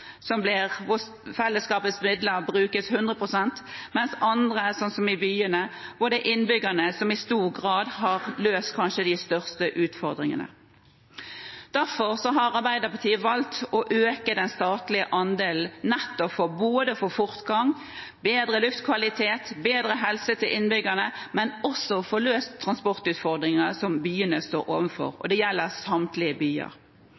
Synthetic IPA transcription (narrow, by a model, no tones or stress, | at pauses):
sɔmblɪʁʋʊ | fɛlːəskɑːpəsmɪd̪ləɾbʁʉːkəshʉnd̪ʁəpʰʁʊsɛnt̪mɛnsɑnd̪ʁəsɔnsɔmɪbyːənəʋʊd̪ɛʔɪnbʏɡənəsɔmɪst̪uːʁɡʁɑːd̪ɦɑʁløːst̪kʰɑnʃəd̪ɪst̪œʁst̪əʔʉːt̪fɔʁd̪ɾɪŋə̰nə̰ | d̪̥æʁfɔʁsɔɦɑɾɑɾbæɪd̪əpʰɑt̪ʰiːəʋɑlt̪ɔʔøːkəd̪ɛnst̪ɑːt̪lɪəʔɑnd̪eːl̩nːɛt̪ːɔfɔboːd̪əfɔfʊʁt̪ɡɑŋ | beːd̪ɾəlʉft̪kʰʋɑlɪt̪ʰeːt̪beːd̪ɾəɦɛlsət̪ʰɪlʔɪnbʏɡːənəmɛnɔsɔfɔløːst̪ʰːʁɑnspɔʁt̪ʉːt̪fɔʁd̪ʁɪŋəsɔmbyːənəst̪oːɾo̰ːʋənfɔ̰ʁɔ̰d̪ɛjɛlːəʁsɑmt̪lɪəbyːə̰ʁ